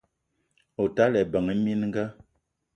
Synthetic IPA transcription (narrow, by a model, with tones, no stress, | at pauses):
o˨ta˦lɛ˨bə˨ŋɛ˨˦mi˦n˦ŋ̩˦ɡa˦